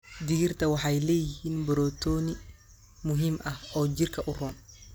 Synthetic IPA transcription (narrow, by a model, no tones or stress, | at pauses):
d̪ɪɣɪrt̪ʰɐwɑħɑjlɛːjɪhiːnbɔɾɔːt̪ʰɔːnɪ | mʊɦiːmʔɐhɔːt͡ʃɪrkʰɐʔʊrɔːn